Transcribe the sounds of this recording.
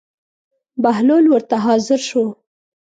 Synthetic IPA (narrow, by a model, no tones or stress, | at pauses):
bahlolwəɾt̪aɦɑzɪɾʃo